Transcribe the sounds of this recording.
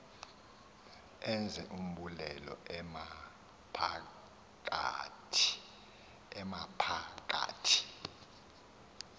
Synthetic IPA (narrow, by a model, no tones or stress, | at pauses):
ɛnd͡zʱɛʔum̩ɓulɛlɔ̰ma | pʰa | kʼatʰ | ɛmapʰakʼa̰ːtʰi̥